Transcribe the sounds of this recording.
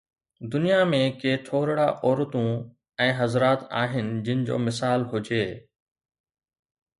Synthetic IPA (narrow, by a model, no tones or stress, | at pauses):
d̪ʊnijamẽkeːʈ̪ʰoːɾɽaʔɔːɾt̪ũ | ɛ̃ːɦɐzɾaːt̪a̰ːɦɪnɪd͡ʑɪnɪd͡ʑo̰ːmɪsaːlɦʊd͡ʑeː